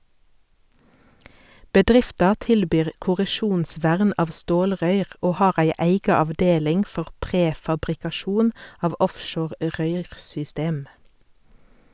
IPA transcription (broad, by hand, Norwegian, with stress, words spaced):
bəˈdʁɪftɑ ˈtɪlbyːʁ kʊʁəˈʃuːnˌsʋæʁn ˈɑːʋ ˈstoːlˌʁœʏʁ ˈoː ˈhɑːʁ ˈæɪ ˈæɪɡɑ ɑʋˈdeːlɪŋ ˈfɔʁ ˈpʁeːfɑbʁɪkɑˌʃuːn ˈɑːʋ ˈɔfˌʃoːʁ ˈʁœʏʁsʏˌsteːm